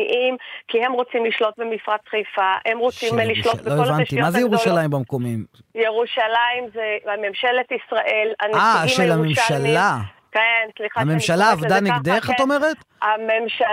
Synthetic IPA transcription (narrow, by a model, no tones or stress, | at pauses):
ʔimkihemʁot͡simliʃlo̞t̪̚bemifʁat͡sχejfahemʁot͡simliʃlobloeevant̪imazejeʁuʃalaimbemko̞mim | jeʁuʃalaimzeamemʃelet̪isʁaʔe̞la̰naʃelamemʃala | kenslixaamemʃalaːvdaniɡd̪eχat̪o̞me̞ʁet̪amemʃa